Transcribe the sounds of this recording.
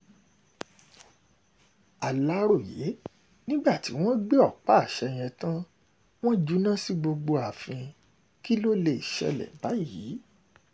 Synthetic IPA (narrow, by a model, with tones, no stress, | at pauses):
a˨la˨˦ɾo˦˨je˨˦ | nĩ˦ɡ͡ba˦˨ti˨˦w̃ɔ̃˦ɡ͡be˦ɔ˦˨k͡pa˦˨ʃɛ˧j̃ɛ̃˧tã˦ | w̃ɔ̃˦d͡ʒu˨˦nã˦si˦ɡ͡bo˧ɡ͡bo˧a˨fĩ˧ | ki˦lo˦le˧˨i˨ʃɛ̰˧lɛ̰˨ba˨˦jiː˨˦